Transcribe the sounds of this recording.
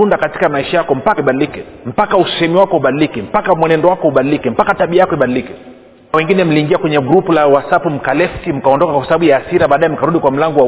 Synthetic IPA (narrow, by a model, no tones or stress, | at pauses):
undakati̥kamaiʃajakɔm̩pakiɓaɗilikɛm̩pakaussɛhɛmiwakɔhuɓaɗilikɛm̩pakamwɛnɛndɔwakɔuɓaɗilikɛm̩pakataɓiajakɔiɓaɗilikɛ | awɛŋɡinɛm̩liːŋɡiakwɛɲɛɡɾupulawasapum̩kalɛfsim̩kaɔndɔkakwasaɓaɓujaːsiɾaɓaːɗaɛm̩kaɾuɗikwam̩laŋɡɔwa